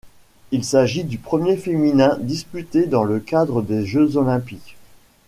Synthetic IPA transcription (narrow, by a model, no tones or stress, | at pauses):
ilsaʒid̪ypχəmjefeminɛ̃d̪ispyt̪ed̪ɑ̃ləkad̪ʁəd̪eʒøzɔlɛ̃pik